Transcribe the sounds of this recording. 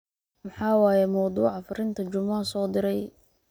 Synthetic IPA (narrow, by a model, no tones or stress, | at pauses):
mɐħɑːwɑːjɛmɐwd̪uːʕɑfʊrɪnt̪ʰɐt͡ʃʊmːɐsɔːd̪ɪɾɛj